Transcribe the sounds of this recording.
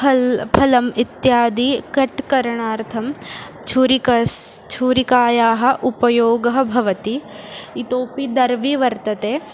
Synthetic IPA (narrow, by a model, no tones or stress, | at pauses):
ɐpʰɐlɐmit̪jaːd̪ikɐʈkɐɾɐɳaːɾt̪ʰɐm | t͡ʃʰuːɾikɐst͡ʃʰuːɾikaːjaːɦɐ̆ʔupɐjoːɡɐɦɐbʱɐʋɐt̪iː | t̪oːpid̪ɐɾʋiʋɐɾt̪ɐt̪eː